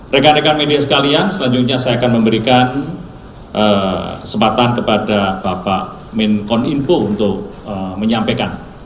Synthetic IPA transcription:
rekanrekanmediasə̥kaliansəlaɲd͡ʒuk̚ɲasajakanməmbəɾikan | ʔəkə̥səmpat̪ankəpadab̥apa̰ʔ | mɪnkɔninpount̪ʊk̚ | əməɲampekan

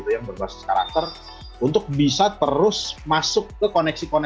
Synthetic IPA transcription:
t̪ujaŋbərbasɪ̥skaɾa̰k̚t̪ər | unt̪ʊk̚bisat̪əɾʊsmasʊkːəkonɛksikonɛ

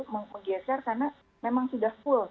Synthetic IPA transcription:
məməɡiɛsarkarna | memaŋsudahpʊl

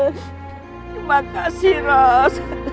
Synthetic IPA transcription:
makasiɾas

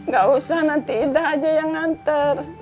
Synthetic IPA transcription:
ŋɡaʔusahnat̪iːdaɦad͡ʒajaŋːant̪ər

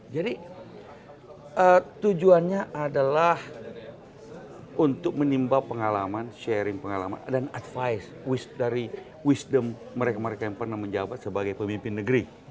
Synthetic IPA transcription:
d͡ʒadi | ət̪ud͡ʒuanɲaʔadalah | unt̪ʊk̚mənimbapəŋalamanʃɛɾɪŋpəŋala̰ma̰ndanatfajs | wist̚daɾi | wisdəmːəɾekaməɾekajaŋpərnahməɲd͡ʒabat̪səbaɡajpəmimpɪnːəɡəɾi

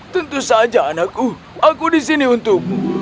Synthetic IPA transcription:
t̪unt̪usaɦad͡ʒaanakːu | akudis̬iniunt̪ʊk̚

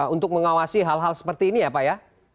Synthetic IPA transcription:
unt̪ʊk̚məŋawasiɦalɦalsə̥pərt̪iːniapaja

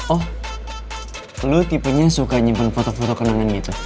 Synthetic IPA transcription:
ɔh | lut̪ipuɲasukaɲəpənfot̪ofot̪okənaŋanɡit̪u

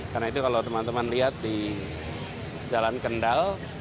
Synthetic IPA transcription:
karnait̪ukalot̪əmant̪əmanliɦat̪̚di | d͡ʒalankəndal

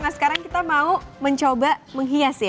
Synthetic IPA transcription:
nasə̥kaɾaŋkit̪amauməɲt͡ʃobaməŋɦiasja

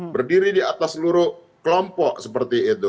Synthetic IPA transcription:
bərdiɾidiat̪asluɾʊh | kəlɔmpɔʔsəpərt̪iːt̪u

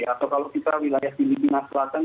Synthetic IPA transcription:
aat̪awkalawkit̪awilajahbilipinaslat̪an

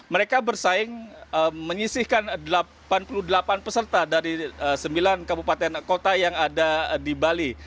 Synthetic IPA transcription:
məɾekabərsaɪŋəməɲisɪhkandəla | panpuludəlapanpəsərt̪adaɾiəsəmbilankabupat̪ɛnkot̪ajaŋadadibali

